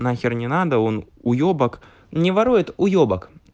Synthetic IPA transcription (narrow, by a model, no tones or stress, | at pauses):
nɐxʲɪrnʲɪnad̪ɐɔn | ujɔbɐk | nʲɛvaɾujɛt̪ujɔbɐk